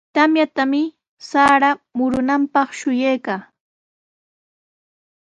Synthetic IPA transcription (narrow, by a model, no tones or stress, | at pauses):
t̪amjat̪amɪ | saːɾamʊɾʊnampɑχʃʊjajkaː